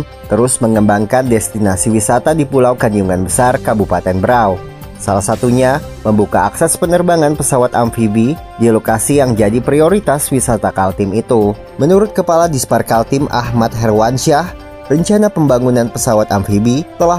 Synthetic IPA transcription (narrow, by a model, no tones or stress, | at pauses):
t̪əɾʊsməŋəmbaŋkandɛst̪inasiwisat̪adipulawkaɲd͡ʒuŋanbəsarkabupat̪ɛnbəɾaw | salahsat̪uɲa | məmbukaaksɛspənərbaŋanpəsawat̪amfibi | dilokasijaŋd͡ʒadipɾioɾit̪aswisat̪akalt̪ɪmit̪u | mənuɾʊt̪̚kəpaladisparkalt̪ɪmʔa̰hmat̪̚ɦɛrwanʃah | rəɲt͡ʃanapəmbaŋunanpəsawat̪amfibit̪əla